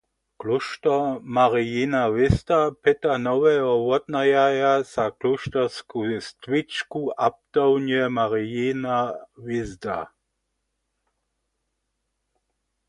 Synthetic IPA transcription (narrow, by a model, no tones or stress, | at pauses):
kluʃtɔmaʁijinaʋɪzd̪apɪt̪anɔwɛɦɔwɔd̪najajasakluʃtɛskust̪wɪt͡ʃkuʔap̚t̪ɔwnjɛmaʁijinaʋɪzd̪a̰